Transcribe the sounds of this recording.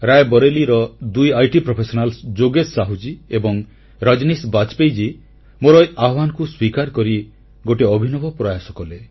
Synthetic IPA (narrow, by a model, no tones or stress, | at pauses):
ɾajbɔɾeliɾɔd̪ujajʈipɾopʰesɔnalsd͡ʒoɡesaɦud͡ʒiebɔŋ | ɾɔd͡ʒnisbat͡ʃpejd͡ʒi | moɾɔjʔaɔbanɔkuswikaɾkɔɾi | ɡoʈeɔbʱinɔbɔpɾɔjasɔkɔle